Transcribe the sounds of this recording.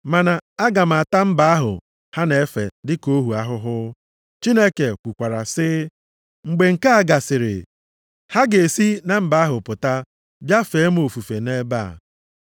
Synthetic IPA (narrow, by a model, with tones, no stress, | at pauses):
ma˨na˨a˦ɡa˨m̩˨a˨ta˦m̩˦ba˨˦a˦ɦʊ̰˨ | ha˦ne˨e˦fḛ˨dɪ˦ko˦ɦu˨a˦ɦʊ˦ɦʊ˦ | t͡ʃi˦ne˦ke˨kʷu˨kʷa˨ɾa̰˨sɪ˦ | ŋ͡m̩˨ɡ͡be˨ŋ̩˨ka˦a˦ɡa˨sɪ˨ɾɪ̰˨ | ha˦ɡe˨si˦na˨m̩˦ba˨˦a˦ɦʊ˨pʊ˨ta˦ | bja˦fe˨˦m˦o˨fu˨fe˨ne˦ba̰˦˨